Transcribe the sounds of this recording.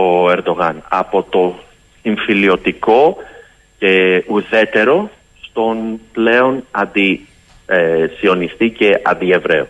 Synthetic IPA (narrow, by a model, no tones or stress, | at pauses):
oe̞ɾd̪o̞ɣɐnɐ̰po̞t̪o̞ | iɱfilio̞t̪iko̞ | ce̞uðe̞t̪e̞ɾo̞ | st̪o̞nple̞o̞nɐnd̪i | sio̞nist̪ice̞ʔɐ̰nd̪ie̞vɾe̞̰o